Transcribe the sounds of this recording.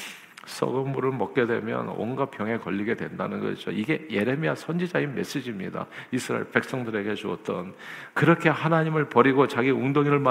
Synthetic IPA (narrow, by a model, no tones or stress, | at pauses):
s͈ʌ̰ɡɯmːuɾɯɭmʌk̚k͈e̞dwe̞̰mjʌ̰nwʌ̰nɡapʰjʌŋe̞kʌʎːiɡe̞dwe̞ndanɯnɡʌ̰ɕid͡ʑo̰iɡe̞je̞ɾe̞miasʰʌnd͡ʑid͡ʑainme̞̰s͈ed͡ʑimɲḭda̰isʰɯɾa̰ḛpe̞k̚s͈ʌŋdɯɾe̞ɡe̞t͡ɕuʌt͈̚ʌn | kɯɾʌkʰe̞hanaɲimɯɭpʌɾiɡot͡ɕaɡiuŋdoŋiɾɯɭma